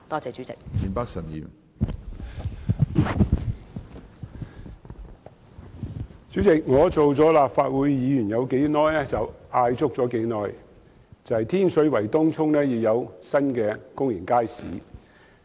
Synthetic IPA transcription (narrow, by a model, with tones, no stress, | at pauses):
t̪ɔː˥t͡sɛː˨˧t͡ʃy˨˥t͡sɪ˨k̚miː˨˧npaː˥k̚sɐ˨˩njḭː˨˩m | t͡syː˨˥t͡sɪ˨k̚ŋɔː˨˧t͡so˨wt͡sɔː˨˥laː˨pfaː˧t̚wuː˨˧˥jːiː˨˧jyː˨˩njɐ˨˧wke˨˥jnɔː˥jlɛː˥t͡sɐ˨waː˧jt͡sʊ˥k̚t͡sɔː˨˥ke˨˥jnɔː˧˥j | t͡sɐ˨˧hɐ˨jt̪ʰiː˥nsɵ˨˧˥ɥwɐ˨˩jt̪ʊː˥ŋt͡sʰʊ˥ŋnɛː˥jiː˨˧wjɐ˨˧wsɐ˥nkɛː˧kʊ˥ŋji˨˩kaː˥jsḭː˨˥